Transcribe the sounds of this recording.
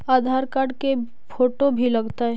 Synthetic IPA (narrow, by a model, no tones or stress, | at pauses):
aːd̪ʱaːɾkaːɾɖke | pʰoːʈobʱilɐɡt̪aɦ